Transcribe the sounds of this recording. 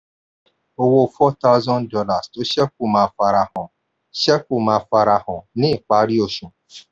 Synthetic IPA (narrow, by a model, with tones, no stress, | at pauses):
o˨wo˨fɔ˦t̪ʰa˦ʊ˦zɔ̃˦ndɔ˦la˨sto˦ʃɛ˦k̚u˨mã˨fa˨ɾa˨hɔ̃˨ | ʃɛ˦ku˨mã˨fa˨ɾa˨hɔ̃˨nɪ̃˦˨k͡pa˨˦ɾi˦o˨ʃũ˨